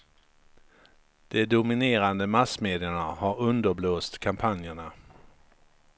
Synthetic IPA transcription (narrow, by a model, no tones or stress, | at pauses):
d̪̥ɛd̪ʊmɪneːɾand̪əmasmeːd̪ɪəɳahaɾɵnd̪əɾbloːst̪kʰampʰanjəɳa